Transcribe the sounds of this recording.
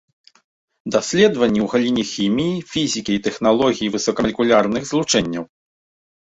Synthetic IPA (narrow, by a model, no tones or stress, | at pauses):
d̪asʲlʲɛd̪vɐnʲːiwɣalʲinʲixʲimʲijifʲizʲikʲiit̪ɛxn̪alˠɔɣʲijivɨsɔkɐmlʲkulʲarnɨxzlˠut͡ʂɛnʲːɐw